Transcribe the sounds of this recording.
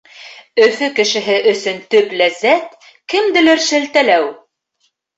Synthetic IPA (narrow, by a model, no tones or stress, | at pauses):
ɵ̆fɵkɘ̆ʃɘ̆ɦɘʔɵ̆sɵnt̪ɵplæzːæt̪ | kɘ̆md̪ɘ̆lɘɾʃɘ̆lt̪ælæw